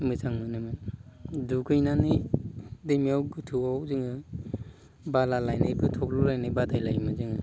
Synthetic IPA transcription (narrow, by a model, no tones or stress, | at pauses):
mɯsʰaŋmɯnɯmɯ | dukʰɯjnani | demiawɡɯtʰuawziŋɯ | balalajnebʰɯtʰɔk̚lulajnɯbadajlajmɯzɯŋɯ